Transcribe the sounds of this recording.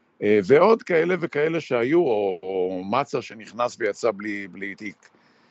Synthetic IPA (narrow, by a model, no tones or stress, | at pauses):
ʔeveo̞d̪kaele̞vekae̞le̞ʃehajuoːmat͡saʃeniχnasvejat͡sabliblit̪ik